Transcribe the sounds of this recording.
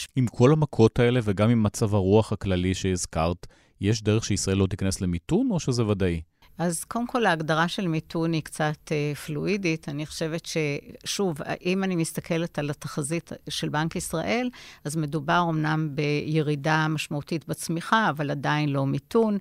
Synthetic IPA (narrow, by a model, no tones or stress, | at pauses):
imkʰo̞lhamakʰo̞tʰae̞le̞veɡamimːat͡savaʁuaχhaklaliʃeizkaʁt | jeʃ̬deʁeχʃeisʁaʔe̞lːo̞tikaneslemituno̞ʃezevadaʔi | ʔazkodemkʰo̞laːɡdaʁaʃe̞lmitʰunikt͡satefluʔiditʰaniχoʃe̞ve̞tʃe̞ʃuv̰ʔimanimist̪akʰe̞le̞talataχazitʃe̞lbaŋkisʁa̰ʔe̞lazme̞dubaʁo̞mnambe̞je̞ʁidamaʃmautitbet͡smiχaːvaladainlo̞mitun